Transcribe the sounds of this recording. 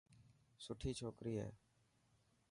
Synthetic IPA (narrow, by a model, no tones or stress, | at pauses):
sʊʈʰiːt͡ʃʰoːkɾiːɦɛ̰ː